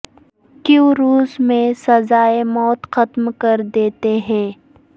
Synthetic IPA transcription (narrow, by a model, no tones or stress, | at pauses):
kjũɾuːzmẽsɐzaːemɔːt̪xɐt̪mkɐɾd̪eːt̪eɦɛ̃ː